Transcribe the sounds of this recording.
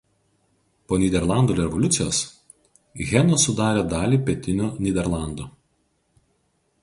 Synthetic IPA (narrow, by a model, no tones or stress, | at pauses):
poːnʲiːd̪ʲɛɾlˠɑˑnd̪oːɾʲɛʋɔlʲʊt̪sʲɪjoːs | ɣʲɛnoːsʊd̪ɑːɾʲeːd̪ɑːlʲiːpʲɛt̪ʲɪnʲuːnʲɪːd̪ʲɛɾlˠɑˑnd̪oː